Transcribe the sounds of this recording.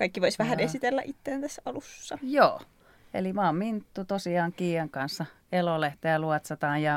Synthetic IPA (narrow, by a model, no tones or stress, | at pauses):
kɑikːiʋoisʋæhænesit̪elːæ̰ʔit̪ːeːnt̪æsːɑlusːɑjo̰ː | ḛlimɑˑmmint̪ːut̪osiɑːŋkiːɑŋkɑnsːɑ | eloleht̪ejæluɑt̪sɑt̪ɑːjjɑ